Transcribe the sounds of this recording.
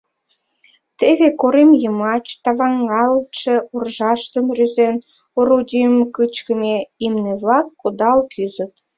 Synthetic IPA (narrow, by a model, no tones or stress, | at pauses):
t̪eβekoɾemjəmɑt͡ɕt̪ɑβɑŋːɑləʃeurʒɑʃt̪əmryzen | oɾud̪ʲimkɯt͡ɕkənʲeimneβlɑkːod̪ɑlkʰyzə̆t̪̚